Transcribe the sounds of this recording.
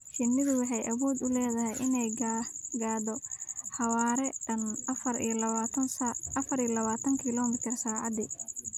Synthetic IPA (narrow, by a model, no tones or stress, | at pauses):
ʃɪnːɪðʊwɑħɑjʔɐβuːd̪ʊlɛːðɐɦɛjʔɪnɛjɡaːd̪ɔħɑwaːɾɛnɐfɐrḭjɔlɐat̪ʰɐnsʔɐfɐɾijɔlɐβaːt̪ʰɐŋkʰɪlɔːmɪt̪ʰɪrsaːʕɑd̪i